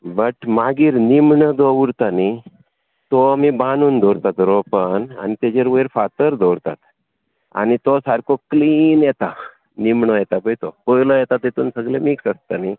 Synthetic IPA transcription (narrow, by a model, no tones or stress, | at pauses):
bəʈmaɡiːɾnimɳəd̪oʋɾt̪ani | t̪oamibanuːnd̪ʱoɾt̪at̪ɾopəna̰nit̪ed͡ʑeɾʋɾfat̪əɾd̪ʱoɾt̪a̰t̪ | a̰nit̪osaɾkʰokliːnjɛt̪a | nimɳəjɛt̪apəjt̪opojləjɛt̪at̪et̪uːnsəɡlemiːksəst̪ani